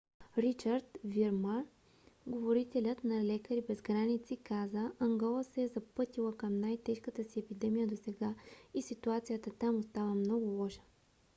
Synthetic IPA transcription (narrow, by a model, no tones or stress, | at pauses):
ɾit͡ʃəɾt̪viɾma | ɡovoɾit̪ɛlʲət̪nɐlɛkəɾibɛzɡɾanit̪sikazəɐŋɡɔlˠəsɛːzɐpɤt̪ilˠəkəmnajt̪ɛʃkət̪əsiɛpid̪ɛmijəd̪osɛɡaisit̪uat̪sijət̪ət̪amost̪avəmnɔɡʊlˠɔʃə̥